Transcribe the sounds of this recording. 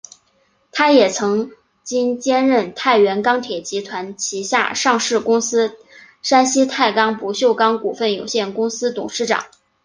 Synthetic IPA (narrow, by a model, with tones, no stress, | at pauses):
t̪ʰa˥jɛ˨˩t͡sʰɤ˧˥ŋ | t͡ɕi˥nt͡ɕjɛ˥nɻə˥˩nt̪ʰa˥˩ɪɥɛ˧˥nkɑ˥ŋt̪ʰjɛ˨˩t͡ɕi˧˥t̪ʰwa˧˥nt͡ɕʰi˧˥ɕja̰˥˧ʂɑ˥˧ŋʂɻ̩˥˩kʊ˥ŋsɹ̩˥ | ʂa˥nɕi˥t̪ʰa˥˩ɪkɑ˥ŋpu˧˥ɕjo˥˩ʊkɑ˥ŋku˨˩fə˥˩njo˨˩ʊɕjɛ˥˩nkʊ˥ŋsɹ̩˥t̪ʊ̰˨˩ŋʂɻ̩˥˩ʈ͡ʂɑ̰˨˩˦ŋ